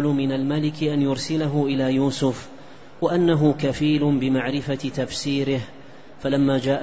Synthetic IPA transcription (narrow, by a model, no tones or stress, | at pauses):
lʊmɪnalmalɪkɪʔanjʊɾsɪlaɦʊʔɪlaːjuːsʊf | waʔanːaɦʊkafiːlʊbɪmaʕɾɪfat̪afsiːɾɪh | falamːaːd͡ʒaːʔ